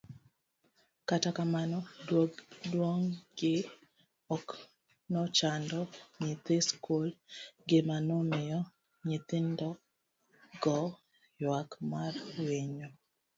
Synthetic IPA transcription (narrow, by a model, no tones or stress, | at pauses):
katakamanɔdwoɡdwoŋɡɪ | ɔk | nɔt͡ʃandɔɲit̪iskolɡɪmanɔmɪjɔ | ɲit̪ɪndɔ | ɡɔ | jwakmarwiɲo